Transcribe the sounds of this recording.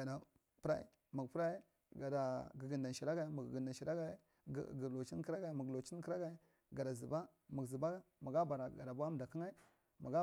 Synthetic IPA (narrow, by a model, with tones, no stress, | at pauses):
a˨da˨ | pɾa̰˦ḭ˦ | mu˨ɡpɾa˦i˦ | ɡa˨da˨ɡə˨ɡi˨nda˨nʃi˨ɾa˦ɡa˨i˦ma˨ɡɡə˨nda˨ʃi˨ɾa˦ɡa˦ḭ˦˨ | lo˨t͡ʃi˦n˦ki˦ɾa˦ɡa˨i˨˦mu˨ɡlo˨t͡ʃi˦n˦ki˦ɾa˦ɡa˨i˦ | ɡa˨da˨zi˨ba˦ | ma˨ɡzi˨ba˦ma˨ɡa˦ba˨ɾa˨ɡa̰˨da˨ba˦m˨da˨ki˦ŋa˦i˦ | ma̰˨ɡa˦